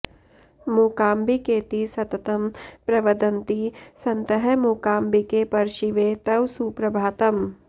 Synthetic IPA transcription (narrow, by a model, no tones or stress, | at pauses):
muːkaːmbikeːt̪isɐt̪ɐt̪ɐmpɾɐʋɐd̪ɐnt̪isɐnt̪ɐɦɐmuːkaːmbikepɐɾʃiʋeːt̪ɐwsuːpɾɐbʱaːt̪ɐm